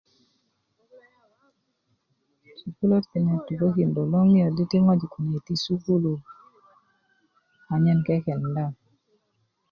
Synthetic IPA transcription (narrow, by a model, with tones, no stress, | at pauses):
su˨ku˦lo˦tpi˨nɛ˨tu˨ko˦ki˨ndo˨lo˦ŋi˦ɔ˨di˦ti˦ŋɔ˦d͡ʒi˨ku˨ne˨ti˦su˦ku˦lu˨ | a˨ɲɛ˦˨nkɛ˦kɛ˨nda˦˨m